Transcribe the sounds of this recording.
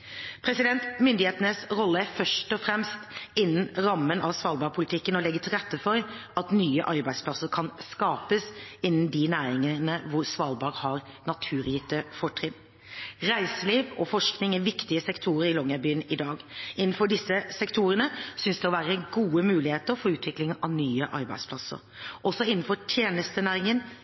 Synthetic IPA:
pʰɾɛsɪd̪ɛnt̪mʏnd̪ɪheːt̪ənəsɾɔlːəæfœʂʈɔfɾɛmst̪ɪnːənɾɑmːənɑʋsʋɑːlbɑːɾpʰʊlɪt̪ʰɪkːənɔlɛɡːət̪ʰɪlɾɛt̪ːəfɔɾʔɑt̪nyːəʔɑɾbæɪd̪splɑsəɾkʰɑnskɑːpəsɪnːən̩d̪ɪnæːɾɪŋənəʋʊɾsʋɑːlbɑːɾhɑɾnɑt̪ʰʉːɾjɪt̪ːəfɔʈʰɾɪn | ɾæɪsəliːʋɔfɔʂknɪŋæʋɪkt̪ɪəsɛkt̪ʰuːɾəɾɪlɔŋəbyːənɪd̪ɑːɡɪnːn̩fɔɖɪsːəsɛkt̪ʰuːɾənəsʏnsd̪ɛɔʋæːɾəəɡuːəmʉːlɪheːt̪əɾfɔːʉːt̪ʰʋɪklɪŋɑʋnyːəʔɑɾbæ̰ɪd̪spʰlɑsə̰ɾ | ʔɔsɔɪnːn̩fɔʈʰjeːnəst̪ənæːɾɪŋən

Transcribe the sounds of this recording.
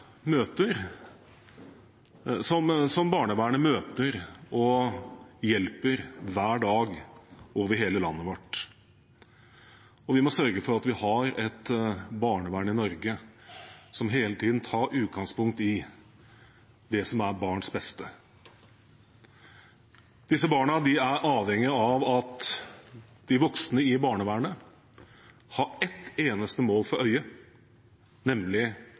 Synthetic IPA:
møːt̪əɾ | sɔmsɔmbɑːɳəʋæːɳəmøːt̪əɾɔ | jɛlpəɾʋæːɖɑːɡoːʋəɾɦeːləlɑnːəʋɔʈː | ɔʋɪmɔsœɾɡəfɔɾɑt̪ʋɪhɑɾɛt̪bɑːɳəʋæːɳɪnɔɾɡə | sɔmɦeːlət̪ʰiːd̪n̩t̪ʰɑːɾʉːt̪̚ɡɑŋspʊŋk̚t̪ɪ | d̪ɛsɔmæɾbɑːɳsbɛst̪ə | d̪̥ɪsːəbɑːɳəd̪ɪæɾʔɑːʋhɛŋːɪɑʋɑt̪ | d̪̥ɪʋɔksnəɪbɑːɳəʋæːɳə | hɑɾɛt̪ːeːnəst̪əmoːlfɔɾʔœʏə | nɛmlɪ

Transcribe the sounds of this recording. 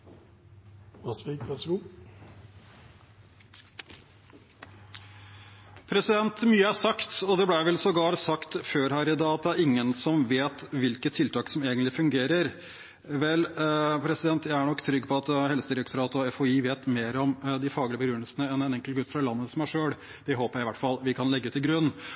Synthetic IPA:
ɑspiɡæsɡuː | pʰɾɛsɪd̪ɛnt̪myːəæsɑkt̪ɔd̪ɛblæʋɛlsɔɡɑːɾsɑkt̪føːɾhæːɾɪd̪ɑːɑt̪̚d̪æɾɪŋːənsɔmʋeːt̪ʋɪlkət̪ʰːɪlt̪ʰɑːksɔmeːɡənt̪lɪfʉŋɡeːɾəɾ | ʋɛlpʰɾɛsɪd̪ɛnt̪jæɪæɳɔkːt̪ʰɾʏɡːpʰɔɑt̪hɛlsəd̪ɪɾəkt̪ʰɔɾɑːt̪ɔɛfɔiːʋeːt̪meːɾɔmd̪ɪfɑːɡələbəɡɾʉnːəlsənəɛnɛnɛŋkəlɡʉt̪ːfɾɑlɑnːəsɔmæʂøːɽ | d̪̥ɛɦoːpəɾjæɪʋæʈːfɑlʋɪkʰɑnlɛɡːʉt̪ɪɡɾʉnː

